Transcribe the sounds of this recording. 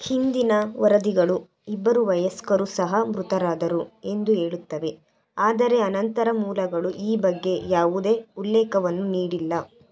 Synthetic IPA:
hind̪inɐʋɐɾɐd̪iɡɐɭu | ibːɐɾuʋɐjɐskɐɾusɐɦɐmɾut̪ɐɾaːd̪ɐɾue̞nd̪uɦe̞ːɭut̪ːɐʋe̞ | aːd̪ɐɾe̞ɐnɐnt̪ɐɾɐmuːlɐɡɐɭuʔiːbɐɡːe̞jaːʋud̪e̞ːulːɛːkɐʋɐnːuniːɽilːɐ

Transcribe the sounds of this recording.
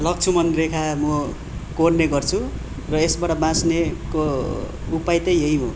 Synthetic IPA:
lʌk̚t͡sʰumʌnrekʰamʌ | koɽneɡʌrt͡sʰu | rʌesbaɽabãsneko | upajt̪ʌjɦʌjɦo̰

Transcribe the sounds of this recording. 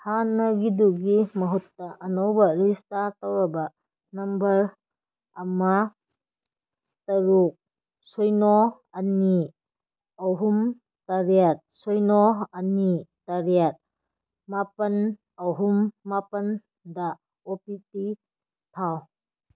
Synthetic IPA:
hanɐɡiduɡimɐɦutːɐʔɐnɐwbɐɾistatawɾɐbɐ | nɐmbɐɾ | ɐma | tɐɾuk̚ | sojnɔ | ɐni | ɐwɦum | tɐɾjat̚sɔjnɔɐnitɐɾijat̚ | mapɐn | ɐwɦumːapɐn | dɐ | opiti | tʰaw

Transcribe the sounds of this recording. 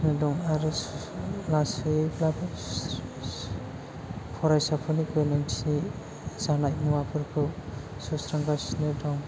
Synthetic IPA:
nɯdɔŋaɾɯ | lasɯblap | pʰɔɾajsapʰɔnikenansi | z̥anajmuapʰɯɾkʰɯw | susɾaŋɡasnɯdɔŋ

